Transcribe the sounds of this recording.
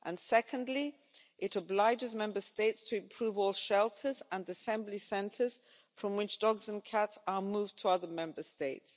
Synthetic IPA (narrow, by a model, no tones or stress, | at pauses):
ʔə̃nsɛkʰə̃ndˡli | ʔɪɾəblaɪd͡ʒɪzmɛ̃mbəsteɪtstʰəɪ̃mpʰɹ̥ʉːvɔːlˠʃɛlˠtʰəzə̃nəsɛ̃mblisɛ̃ntʰəz̥ | fɹə̃mwɪt͡ʃd̥ɒɡzə̃nkʰatsəmuːvtʰəʌðəmɛ̃mbəsteɪts